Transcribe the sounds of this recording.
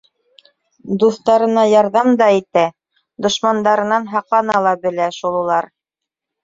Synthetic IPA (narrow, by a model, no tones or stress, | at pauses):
d̪uθt̪ɑɾɤ̆nɑjɑɾðɑmd̪ɑit̪æ | d̪ŏʃmɑnd̪ɑɾɤ̆nɑnɦɑqlˠɑnɑlˠɑbɘ̆læʃulˠɤ̆lˠɑɾ